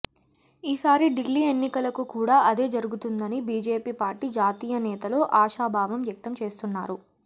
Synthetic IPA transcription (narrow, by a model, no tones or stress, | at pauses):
iːsaːɾiɖilːiːe̞nːikɐlɐkukuːɽaːʔɐd̪e̞ːd͡ʒɐɾuɡut̪und̪ɐnibiːd͡ʒe̞ːpiːpaːɾʈiːd͡ʒaːt̪iːjɐnɛːt̪ɐlo̞ːʔaːʃaːbʱaːʋɐmjɐk̚t̪ɐmt͡ʃe̞ːst̪unːaːɾu